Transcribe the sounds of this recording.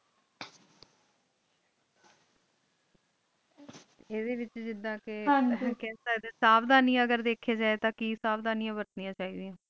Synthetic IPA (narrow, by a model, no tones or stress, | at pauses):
eːd̪eːʋɪt͡ʃd͡ʒɪd̪ãːkɪãkɛːsaːd̪eːsaːbd̪aːnĩːãːəɡəɾd̪eːkʰːeːd͡ʒaːet̪ãːkiːsaːbd̪aːnijãːbəɾt̪nijãːt͡ʃaːiːd̪iãː